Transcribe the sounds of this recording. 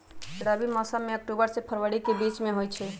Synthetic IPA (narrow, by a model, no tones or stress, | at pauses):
sɪɽabimɔsameək̚ʈubəɾsepʰəɾʋəɽikebit͡ʃmeɦojt͡ʃʰɛ